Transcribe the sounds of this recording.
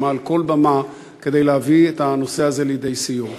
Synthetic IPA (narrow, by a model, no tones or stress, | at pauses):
malko̞lbama | ked̪e̞jleavietano̞se̞aze̞lid̪e̞isijo